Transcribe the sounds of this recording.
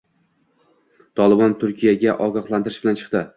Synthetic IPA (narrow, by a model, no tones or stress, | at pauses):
t̪ʰɒlˠɪbɒnt̪ʰʊɾkʲʰijaɡʲaʔɒɡɒqlˠant̪ʰɪɾɪʃbɪlant͡ʃʰɨ̥qt̪ɪ